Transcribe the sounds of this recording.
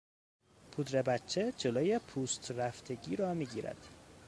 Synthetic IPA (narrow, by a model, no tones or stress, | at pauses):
pʰud̪ɾe̞bæt͡ʃʰːe̞d͡ʒoloːje̞pʰuːst̪ʰræft̪ʰe̞ɟiːɾɒːmiːɟiːɾæ̰d̪̥